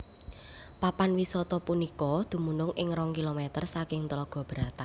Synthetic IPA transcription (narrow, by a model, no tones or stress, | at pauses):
papanwisɔt̪ɔpunikɔd̪̥ṳmunʊŋʔɪŋɾɔŋkilomɛt̪ərsakɪŋt̪əlɔɡ̥ɔ̤b̥ɾat̪an